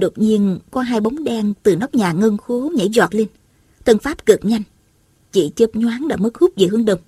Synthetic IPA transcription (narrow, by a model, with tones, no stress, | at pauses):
ɗo˨˩t̚ɲi˧ənkɔ˨˦ɦaː˧jɓa˨˦wŋ͡mɗɛ˧nt̪ɨ˨˩nɔ˦˥wk͡p̚ɲaː˨˩ŋə˧ŋxo˨˦ɲə̰˧˩zwaː˨˩t̚le˧n | t̪ʰə˧nfaː˦˥p̚kɨ˨˩p̚ɲa˧jŋ̟ | t͡ɕḭ˧˩t͡ɕə˨˦˥p̚ɲwaː˨˦nɗa̰ː˧˩mə˦˥k̚hʊ˦˥k͡p̚vḭ˨˩hɨ˨˦əŋɗə˨˩wŋ͡m